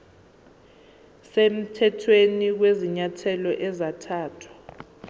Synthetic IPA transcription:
sem̩tʰɛtʰwenik̬weziɲatʰɛlɔʔɛzatʰaːtʰwḁ

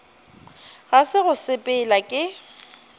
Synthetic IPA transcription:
ɣasɪɣʊsɪpʼɪlakʼɪ

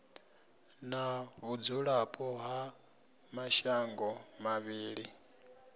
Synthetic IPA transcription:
naβud͡zuɺapʼɔɦa | maʃaŋɡɔmaβiːɺi

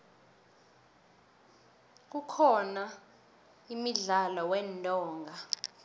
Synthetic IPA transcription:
k̬ukʰɔna | imiɮalɔwɛntʼɔːŋɡʱa

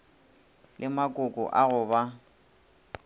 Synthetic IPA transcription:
lʔɪmakʼʊkʼʊ̰ʔaɣʊba

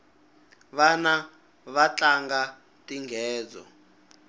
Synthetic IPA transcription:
βana | βat͡ɬaŋɡa | tʼiŋɡʱɛːd͡zɔ̰

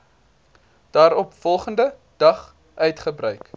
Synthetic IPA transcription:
d̥ɑːɾɔpfɔlˠχəndə | d̥ɐχ | ʔœɥtχəbrœɥk

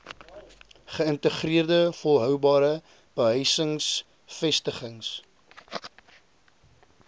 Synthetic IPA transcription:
χəəntəχriərdəfolˠɦœwbɑːɾə | b̥əɦœɥsəŋs | fɛstəχəŋs

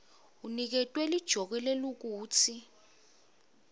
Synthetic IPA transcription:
unik̬ɛtʼwɛlid̥ʒ̥ʱɔk̬ɛlɛluk̬uːt͡sʰi

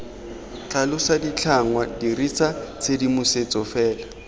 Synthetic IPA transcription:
t͡ɬalʊsadit͡ɬʰaŋwadirit͡sat͡sʰedimʊset͡sɔfɛːla

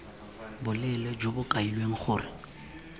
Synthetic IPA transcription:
bʊlɛlɛd͡ʒobʊkʼailweŋ̩χʊːrɪ̰

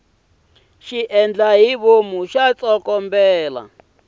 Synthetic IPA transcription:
ʃiʔɛnd͡ɮaɦiβomuʃat͡sɔkɔmbɛːla̰

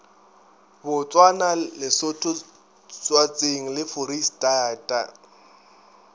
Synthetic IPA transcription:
bʊt͡sʼwanalɪsʊtʰʼʊ | t͡sʼwat͡sʼeŋ̩lɪfʊɾistʼaːtʼa̰

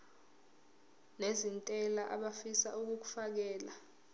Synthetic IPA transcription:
nezintʼɛlaʔaɓafisa̰uk̬uk̬u̥fak̬ɛːla

